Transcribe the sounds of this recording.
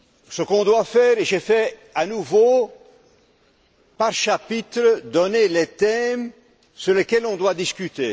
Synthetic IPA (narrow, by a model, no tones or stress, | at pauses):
səkɔ̃d̪wafɛʁeʒefɛanuvo | paʁʃapit̪χəd̪ɔnelet̪ɛm | syʁlekʲɛlɔ̃d̪wad̪iskʲyt̪e